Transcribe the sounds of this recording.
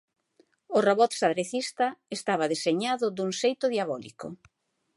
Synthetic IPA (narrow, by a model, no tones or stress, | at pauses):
ʊroβɔt̪saðɾeθist̪ɐest̪aβɐðeseɲaðʊðuŋsejt̪ʊðjaβɔlḭkʊ̰